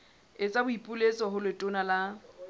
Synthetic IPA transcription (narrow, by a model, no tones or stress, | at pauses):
ɪt͡sʼabʊipʼʊlesɔɦʊlɪtʼʊnala